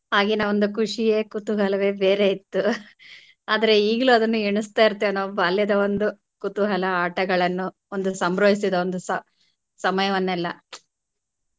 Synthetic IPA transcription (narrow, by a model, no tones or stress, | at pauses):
ɦaːɡinɐond̪ukuʂijeːkut̪uɦɐlɐʋe̞ːbeːɾe̞it̪ːu | aːd̪ɐɾe̞iːɡɐluɐd̪ɐnːuiɳust̪aːjiɾt̪ːeɐnːoːbaːljɐd̪ɐo̞nd̪u | kut̪uɦɐlɐaːʈɐɡɐɭɐnːu | o̞nd̪usɐmbɾoːjisid̪ɐond̪usɐ | sɐmɐjɐʋɐnːɛlːɐ̰